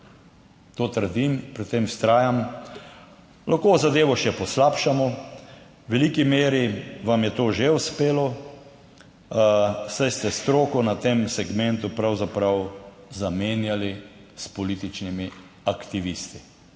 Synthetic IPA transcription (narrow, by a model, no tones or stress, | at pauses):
t̪oːt̪əɾd̪impɾit̪t̪ːemst̪ɾaːjam | lʔaxkoːzad̪eːʋɔʃɛpɔslaːpʃamɔ | ʋɛliːkimeːɾiʋamjɛt̪oːʒeuspeːlɔ | sajst̪ɛst̪ɾoːkɔnat̪emsɛɡmɛnt̪upɾawzapɾaw | zameːnjalispɔliːt̪it͡ʃnimi | akt̪iʋist̪i̥